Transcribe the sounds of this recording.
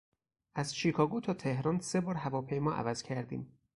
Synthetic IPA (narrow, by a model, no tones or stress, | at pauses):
ʔæzʃiːkʰɒːɡot̪ʰɒːt̪ʰe̞hɾɒːnse̞bɒːɾɦævɒːpʰejmɒːʔæ̰væz̥cʰæɾd̪ḭːm